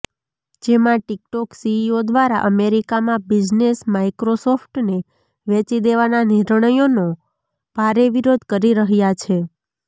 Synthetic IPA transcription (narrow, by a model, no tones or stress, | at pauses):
d͡ʒemãʈikʈɔksiiod̪ʋaɾa̰ʔəmeɾikamãbid͡ʒnesmaikɾosɔfʰʈne | ʋɛ̃t͡ʃid̪eʋananiɾɳəjono | b̥ʱaɾeʋiɾod̪kəɾiɾəɦjat͡ʃʰe